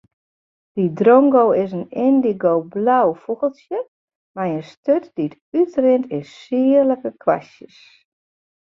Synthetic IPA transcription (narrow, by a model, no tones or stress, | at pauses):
d̥idroŋɡoːɪsənɪndiɡoːblawfuɣəlˠsjə | majənstøtd̥it | ytrɪntʰɪssiələkəkʰʋa̰sjəs